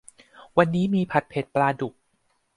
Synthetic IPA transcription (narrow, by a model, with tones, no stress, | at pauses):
wa˧nːiː˦˥miː˧pʰa˨˩t̪̚pʰe˨˩t̪̚plaː˧du˨˩k̚